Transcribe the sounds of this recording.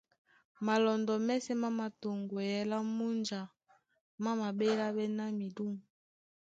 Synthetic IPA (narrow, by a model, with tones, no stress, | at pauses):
ma˨lɔ˨ndɔ˨mɛ˦sɛ˦ma˦ma˨to˨ŋɡo˨jɛ˨la˦mu˦nd͡ʒa˨ | ma˦ma˨be˦la˦bɛ˦na˦mi˨du˦mu˨